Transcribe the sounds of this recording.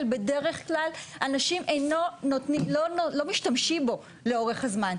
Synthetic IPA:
lbe̞de̞ʁe̞χklalanaʃimʔejno̞notnilonolo̞miʃtamʃimbo̞ | leo̞ʁeχhazman

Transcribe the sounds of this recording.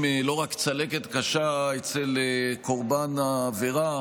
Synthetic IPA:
mlo̞ʁakt͡sale̞ket̪kaʃaet͡seleko̞ʁbanaːveʁa

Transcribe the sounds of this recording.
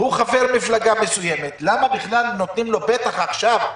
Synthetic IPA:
huχaveʁmiflaɡame̞sujemet̪lamabiχlalno̞t̪nimlo̞be̞t̪aχaχʃav

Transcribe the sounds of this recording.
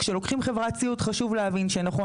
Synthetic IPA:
kʃelo̞kχimχe̞vʁat͡siutχaʃuvlehavinʃenaχo̞

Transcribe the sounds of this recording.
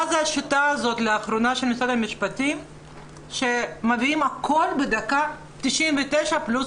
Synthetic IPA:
azeaʃitaːzo̞tleaχɾonaʃelmisad̪amiʃpatim | ʃemaviimakʰo̞lbed̪aka | tiʃʔimvetejʃaplus

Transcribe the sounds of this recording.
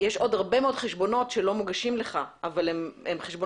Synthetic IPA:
jeʃo̞dhaʁbe̞meod̥χeʃbo̞no̞tʃelomuɡaʃimleχaavalememχeʃbo

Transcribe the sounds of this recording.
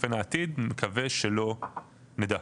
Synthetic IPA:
fenaːt̪id̪mekʰaveʃelo̞ | ned̪a

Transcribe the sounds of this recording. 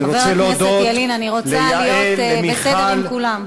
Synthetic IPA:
ɾoveʁelosd̪eoelinaniʁot͡salijotemibesedeʁilmkulam

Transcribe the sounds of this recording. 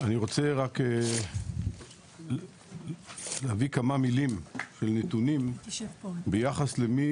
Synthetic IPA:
aniʁo̞t͡seʁake | leavikamamilimʃelnetunim | bejaχaslemi

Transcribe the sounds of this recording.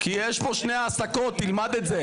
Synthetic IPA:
kijɛʃpo̞ʃneaːsako̞t̪ːilmad̪et̪ze

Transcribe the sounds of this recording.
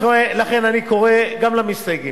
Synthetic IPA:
oelaχe̞naniko̞ʁeɡamlamisdajɡi

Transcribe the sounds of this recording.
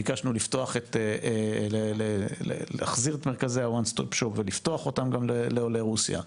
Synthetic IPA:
iɡaʃnulifto̞aχeteeleleḛla̰χziʁet̪meʁkazehawanstopʃopveliftoaχo̞tamɡamleleoleʁusja̰

